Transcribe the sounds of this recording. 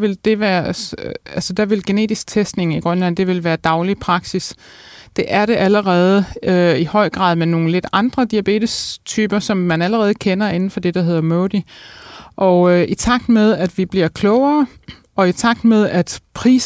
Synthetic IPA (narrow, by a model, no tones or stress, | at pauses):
ʋe̝ld̥e̝ʋæːɐ | ælsəd̥æʋe̝lɡ̥e̝ne̝̰ːd̥isɡ̥̚t͡sʰesd̥ne̝ŋiɡ̥ʁɶnlænd̥e̝ʋe̝lʋæːɐd̥ɑ̈ʊlipʰʁɑ̈ɡ̥sis | d̥e̝ʔæɐɾe̝ʔæləʁɛːð̞ˠəøihɒ̽ɪ̰ɡ̥ʁɑ̰̈ːðˠmeno̝ːn̩le̝d̥ɑ̈nd̥ʁɐd̥iæb̥e̝̰ːd̥ist͡sʰyːb̥ɐsɒ̽mːænæləʁɛːð̞̩ˠəkʰenɐe̝nn̩fɒ̽d̥e̝d̥ɑ̈ɦe̝ð̰ˠɐmoʊd̥i | ʔɒ̽ʔit͡sʰɑ̈ɡ̥̚d̥með̞ˠæd̥ʋib̥liɐ̰kʰlɔʊɐː | ɒ̽it͡sʰɑ̈ɡ̥̚d̥meðˠæd̥pʰʁḭːs